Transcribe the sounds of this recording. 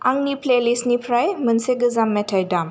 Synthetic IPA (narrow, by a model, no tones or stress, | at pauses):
aŋniplelisnipʰɾajmənseɡəzamːɛtʰajdam